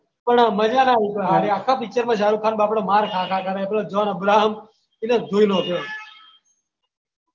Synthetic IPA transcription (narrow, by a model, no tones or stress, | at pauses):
pəɳməd͡ʒaːnaːɦip̪oɦaːɾeaːkʰaːpit͡ʃəɾmãːʃaːɾuːkʰaːnbaːpɽoːmaːɾkʰaːkʰaːkʰaɾaeploːd͡ʒoːnəbɾaːɦəm | ineːd̪ʱuːinoːp̪joː